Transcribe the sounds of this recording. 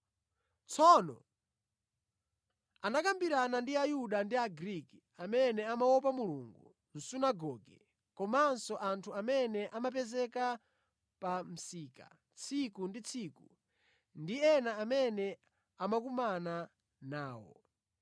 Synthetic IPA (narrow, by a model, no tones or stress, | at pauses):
t͡sʰɔnɔ̰ | anakambiɾanandiajuɗandiaɡɾiki | amɛnɛamawɔpamuluŋɡṵ | n̩sunaɡɔːɡɛ̰ | kɔmansɔʔantʰuamɛnɛʔamap̬ɛzɛka | pam̩siːka̰ | t͡sʰikundit͡sʰiːku | ndiɛnaːmɛnɛ | amak̬umana | naːwɔ̰